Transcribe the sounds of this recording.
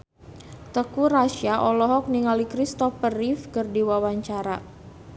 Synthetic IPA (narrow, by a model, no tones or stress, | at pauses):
t̪əkuraʃiaʔɔlɔɦɔk̚niŋalikɾist̪ɔfərifkərdiwawaɲt͡ʃaɾa